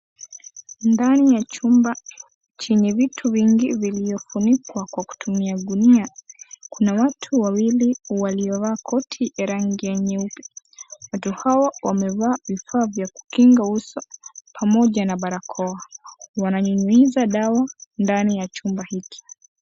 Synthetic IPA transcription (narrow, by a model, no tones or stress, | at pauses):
ndanijat͡ʃumba | t͡ʃiɲɛvitʰuviŋɡiviliɔfunikwakwaku̥tʰumiaɗuniakunawatʰuwawiliwaliɔvaːkʰɔtʰiɛɾaŋɡiɛɲɛupi̥watuhawawamɛvaːvifaːvjaku̥kiŋɡausɔpʰamɔʄanaɓaɾakʰɔawanaɲuɲuizaɗawandanijat͡ʃumbahiki̥